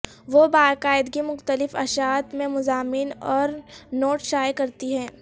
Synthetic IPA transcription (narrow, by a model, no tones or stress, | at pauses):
ʋobaːkaːɪd̪ɡimʊxt̪əlɪfɐʃaːt̪mẽmʊzaːminɔːɾnoːʈʃaːjkɐɾt̪iɦɛ̃ː